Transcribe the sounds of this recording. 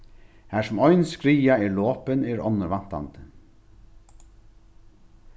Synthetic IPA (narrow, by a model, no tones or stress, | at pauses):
hæːsʊmɔʏnskɾiːaɛɾloːpɪnɛɾɔ̰nːəɾvan̥t̪a̰nt̪ə̥